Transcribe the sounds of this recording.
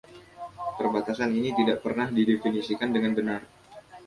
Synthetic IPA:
pərbat̪asaninit̪idaʔpərnahdidefinisikandəŋanbənar

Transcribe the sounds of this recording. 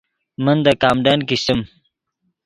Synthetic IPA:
mənd̪əkaːmɖankist̪əm

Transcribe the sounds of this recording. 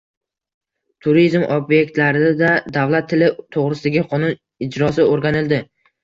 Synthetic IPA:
t̪ʰʊɾizmʔobje̞k̚ʲt̪laɾɪd̪ad̪avlat̪ʰːɪlɪt̪ʰoʁɾɪsɪd̪aɡʲɪqʰɒnʊn | ɪd͡ʒɾɒsɪoɾɡʲanɪld̪ɪ

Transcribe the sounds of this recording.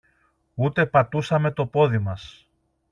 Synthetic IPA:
ut̪e̞pɐt̪usɐme̞t̪o̞po̞ðimɐs

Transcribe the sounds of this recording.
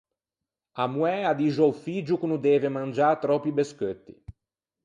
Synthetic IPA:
amuɛad̪iʒɔwfid͡ʒukunud̪ɛːvemand͡ʒat̪ɾɔpibeskøt̪ːḭ

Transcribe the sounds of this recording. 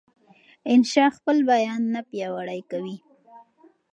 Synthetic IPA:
ɪnʃɑxpəlbajɑnːapjɑwaɽajkawi

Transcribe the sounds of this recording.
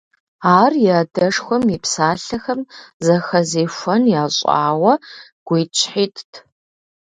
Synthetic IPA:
aːrjɛdɐʂxʷɔmipsaːɬɐxɐmzɐxɐzeːfʷɐnjaːɕʼa̰ːwɐɡ̥ʷiːt͡ʃʰʼħiːtʰtʰ

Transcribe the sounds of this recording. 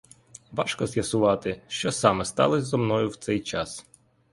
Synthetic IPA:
ʋɑʃkɔzjɐsʊʋɑt̪ɪʃt͡ʃɔsɑmɛst̪ɑ̰lˠɔzʲzɔmnɔjʊwt̪sɛjt͡ʃɑs

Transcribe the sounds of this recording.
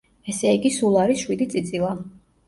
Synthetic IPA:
ɛsɛiɡisulˠaɾisʃwid̪it̪sʼit̪sʼilˠa

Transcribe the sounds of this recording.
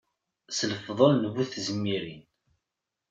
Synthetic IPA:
sləfðˤəlnəβuθzəmːiɾin

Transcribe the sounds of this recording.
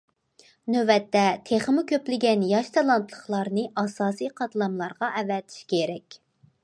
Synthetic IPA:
nøvɛt̪ʰːɛt̪ʰeχəmukʲʰøplɪɡʲɛnjɑʃt̪ʰɑlˠɑnt̪ʰlˠəχlˠɑɾnɨʔɑsɑːsijqʰɑt̪ʰlˠɑmlˠɑɾʁɑʔɛvɛt̪ʰi̥ʃkʲʰeɾɛkʲ

